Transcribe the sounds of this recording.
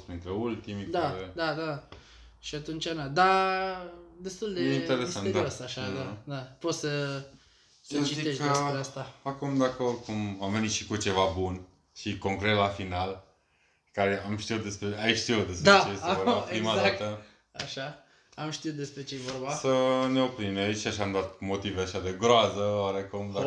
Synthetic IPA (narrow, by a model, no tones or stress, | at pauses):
pint̪ɾeult̪imd̪aed̪ad̪a | ʃiat̪unt͡ʃanad̪a | d̪e̞st̪uld̪ejeint̪eɾesaned̪aosaʃad̪ad̪apo̞t̪sə | səət͡ʃizieəeɾeast̪aakumd̪eako̞rd̪̚kumamvenit̪ʃikut͡ʃe̞vabun | ʃiko̞ŋkɾe̞t̪lafinal | kaɾeamʃt̪iut̪̚d̪e̞spɾeaiʃt̪iut̪d̪e̞spd̪at͡ʃesvoapɾimad̪at̪ə | aʃa | amʃt̪iut̪̚d̪espɾet͡ʃejevorbasəne̞opɾineaiʃaʃamd̪oat̪mo̞t̪iveaʃad̪eɡɾoazəwaɾekumd̪a